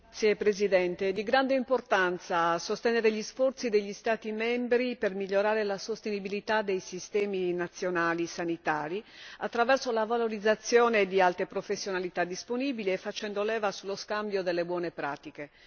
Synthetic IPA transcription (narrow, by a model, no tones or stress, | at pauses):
sepɾezid̪ɛnt̪ed̪iɡɾand̪eimport̪ant̪sasost̪enɛːɾeʎisfɔrt̪sid̪eʎːist̪aːt̪imɛmbɾipermiʎːoɾaːɾelasost̪enibilit̪ad̪ejsist̪ɛːminat̪sːjonaːlisanit̪aːɾia̰t̪ːɾavɛrsolavaloɾid̪zːat̪sːjɔːned̪ialt̪epɾofesːjonalit̪ad̪ːisponiːbiliefːat͡ʃɛnd̪olɛːvasulːoskambjod̪elːebwɔːnepɾa̰ːt̪ike